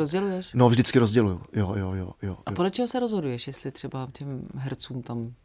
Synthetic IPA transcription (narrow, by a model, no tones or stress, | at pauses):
ɾozɟɛlujɛʃnovʒdɪt͡skɪɾozɟɛlujujojo̰jo̰jo̰ʔapo̞dlɛt͡ʃɛɦosɛɾozɦodujɛʃjɛst̪lɪt̪r̝̥ɛbacɛmɦɛɾt͡suːmt̪am